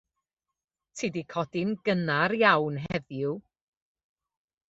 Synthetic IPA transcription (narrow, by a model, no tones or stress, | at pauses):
tʰidikʰɔdɪnɡənaɾjawnɦɛðjʊ